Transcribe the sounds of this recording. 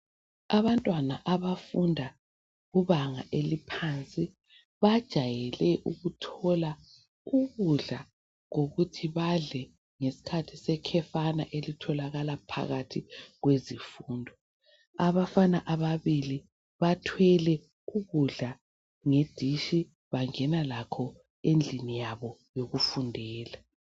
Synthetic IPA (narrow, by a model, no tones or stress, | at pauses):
aβantʼwanaʔaβafundʱa | ɣuβaŋa̰ʔelipʰant͡sʼi | βad̥ʒ̥ʱajɛlɛʔuɣutʰɔla | uɣuɮa | ɣoɣutʰiβaɮɛ | ŋesi̥kʰatʰisɛkʰɛfana̰ʔelitʰɔlaɣalapʰa̰ɣatʰiɣwezifuːndʱɔ | aβafanaʔaβaβili | βatʰwɛlɛ | uɣuɮa | ŋed̥ʱiʃi | βaŋɛnalakʰɔ | end͡ɮʱinijaβɔjoɣufundʱɛːla